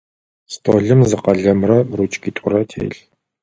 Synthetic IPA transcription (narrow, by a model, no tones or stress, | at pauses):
stʰoːɮɨmzɨqɐɮɐmrɐrut͡ʃʼɡʲitʷʼʊrɐtʰḛːɬ